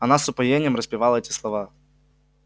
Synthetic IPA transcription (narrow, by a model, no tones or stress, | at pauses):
ɐnasʊpɐjenʲɪjəmɾəspʲɪvalˠəɛtʲɪslˠɐva